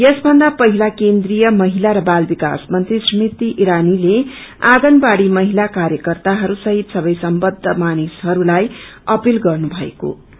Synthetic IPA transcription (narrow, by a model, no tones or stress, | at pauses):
jʌsbʱʌnd̪apʌɦilakend̪rijʌmʌɦilaɾʌbalbika̰smʌnt̪rismit̪iʔiɾanile | aɡʌnbaɽimʌɦilakaɾjʌkʌrt̪aɦʌɾusʌɦit̪sʌbʌjsʌmbʌd̪ʱːʌmanishʌɾulajʌpilɡʌrnubʱʌḛko̰